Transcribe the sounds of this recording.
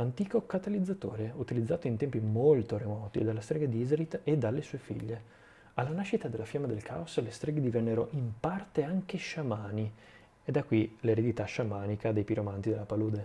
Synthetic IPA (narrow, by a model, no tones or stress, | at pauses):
ant̪iːkokat̪alid̪zːat̪o̰ːɾeut̪ilid̪zːaːt̪oint̪ɛmpimolt̪oɾemɔːt̪ḭd̪alːast̪ɾɛɡad̪iizɾit̪ːed̪alːesuːefḭʎːe | alːanaʃit̪ad̪elːafjamːad̪elkʰa̰oslest̪ɾɛːɡed̪ivɛnːeɾoʔimpart̪eaŋkeʃamaːni | ed̪akːwileɾed̪it̪aʃamaːnikad̪ejpiɾomant̪id̪elːapaluːd̪e